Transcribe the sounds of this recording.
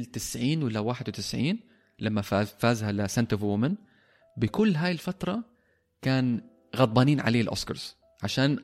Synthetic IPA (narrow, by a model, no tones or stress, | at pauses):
lt̪ɪsʕiːnwɪlːawaːħɪd̪wɪt̪ɪsʕiːn | lamːaafaːzhalɪsant̪ʊfwʊmɪn | bɪkʊlːɦaːjɪlfat̪ɾˤɑ | kaːn | ɣɑd̪̚ˤbɑːniːnʕa̰leːlʔo̰skɑ̰ɾˤz̥ | ʕaʃaːn